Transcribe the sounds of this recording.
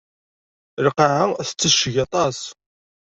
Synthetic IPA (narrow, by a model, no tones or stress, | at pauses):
ɾəqaʕaθə̥t͡sːəʃːʝɑt̪ˤɑs